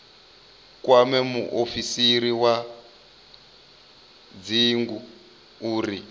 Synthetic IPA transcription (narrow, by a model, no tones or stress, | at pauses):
kwamɛmuʔofisiɾiwa | d͡ziːŋɡu | uːri